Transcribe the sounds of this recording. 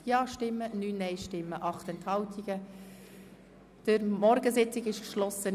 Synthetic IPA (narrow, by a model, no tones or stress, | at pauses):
jɑːʃtɪmːənyːnːɛɪʃtɪmːəʔɑχt̪ɛnthɑltʰiɡ̥ə | d̥əɾmɔɾɡəsɪt͡sɪkɪʃkʃlɔsə